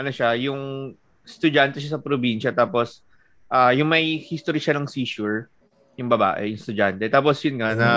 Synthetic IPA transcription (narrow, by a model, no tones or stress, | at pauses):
ʔɐnoʃajʊŋ | st̪ʊd͡ʒant̪ɛʃ̬asɐpɾobinʃɐt̪aːpos | ʔaːjʊŋmɐjhist̪oɾiʃanɐŋsiːʃuɹ | jʊŋbɐba̰ːʔɛ̰jʊŋst̪ʊd͡ʒant̪ɛt̪aːp̬ɔsjʊnŋɐnɐ